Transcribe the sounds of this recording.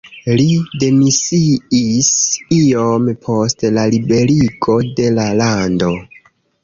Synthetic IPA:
lide̞misiisio̞mpʰo̞stlalibe̞ɾiɡo̞de̞lalando̞

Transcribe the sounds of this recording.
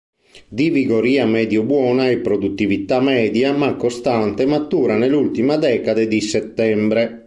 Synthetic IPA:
d̪iviɡoɾiːamɛːd̪jobwɔːnaepːɾod̪ut̪ːivit̪ːamɛːd̪jamakːost̪ant̪emat̪ːuːɾanelult̪imad̪ɛːkad̪ed̪iset̪ːɛmbɾe

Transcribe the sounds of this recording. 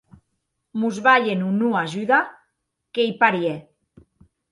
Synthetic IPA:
muzβaʎenunuaʒyða | kejpaɾje

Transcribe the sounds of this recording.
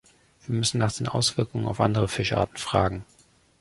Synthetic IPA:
viːɐmʏsn̩naːχd̥eːnʔa̰ʊsv̥ɪɐkʊŋəna̰ʊfʔa̰ndəʁ̞əfɪʃʔa̰ːɐtn̩fʁ̥a̰ːɡŋ̩

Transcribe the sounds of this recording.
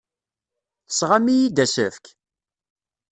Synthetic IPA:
θə̥sʁamijid̪æsəfk

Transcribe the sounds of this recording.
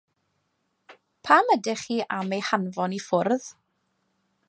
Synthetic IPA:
pʰamədɪχiːʔamejhanvɔnifʊrð

